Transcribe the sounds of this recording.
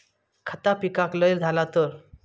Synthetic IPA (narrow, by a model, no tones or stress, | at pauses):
kʰət̪apikakləjld͡z̪ʱalat̪ɔɾ